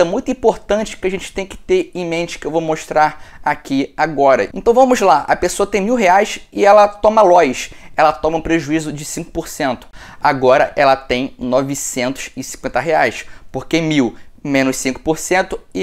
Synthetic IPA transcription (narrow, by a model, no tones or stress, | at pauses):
ɛmũj̃t̪ʊĩpoɾt̪ɐ̃nt͡ʃɪ̥kɪaʒẽnt͡ʃɪ̥t̪ẽj̃kɪ̥t̪eɾẽj̃mẽnt͡ʃɪ̥kɪewvowmoʃt̪ɾaɾakiaɡɔɾɐẽnt̪ɐ̃w̃vɐ̃mʊzlaʔɐ̰pesoɐt̪ẽj̃miwɦeajsɪɛlɐt̪õmɐlɔjʃɛlɐt̪õmɐũpɾeʒuizʊd͡ʒɪsĩkʊ̥poɾsẽnt̪ʊ̥ | aɡɔɾɐʔɛlɐt̪ẽj̃nɔvɪsẽnt̪ʊ̥zɪsĩkwẽnt̪ɐɦeajspoɾkemiwmẽnʊʃsĩkʊ̥poɾsẽnt̪ʊɪ